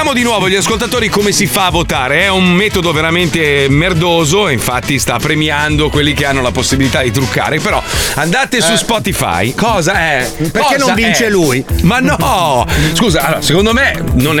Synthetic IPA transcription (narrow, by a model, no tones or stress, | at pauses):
aːmod̪inwɔːvoʎːiaskolt̪at̪oːɾikomesifaːvot̪aːɾeɛumːɛt̪od̪oveɾament̪emerd̪oːzoiɱfat̪ːist̪apːɾemiand̪okwelːikeanːolaposːibilit̪ad̪it̪ɾukːa̰ːɾepeɾɔand̪aːt̪esuspɔt̪ifa̰jkɔːzaɛkeɾɔkenovint͡ʃelujmanːɔ | skuːzaalːoːɾasekond̪omenon